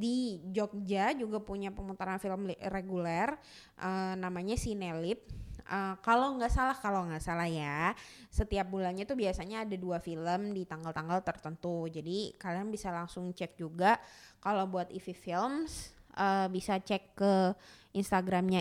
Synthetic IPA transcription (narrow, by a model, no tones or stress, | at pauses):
did͡ʒɔk̚d͡ʒad͡ʒuɡapuɲapəmut̪aɾanfiləmreɡulɛr | ʔənamaɲasinelɪp̚ʔəkaloŋɡaʔsalahkaloŋɡaʔsalahjasət̪iap̚bulanɲat̪ubiasaɲaːdaduafiləmdit̪aŋɡalt̪aŋɡalt̪ərt̪ənt̪ud͡ʒadikalianbisalaŋsʊŋt͡ʃɛk̚d͡ʒuɡakalawbuat̪ififilmsʔəbisat͡ʃɛkːəʔinst̪aɡɾamɲa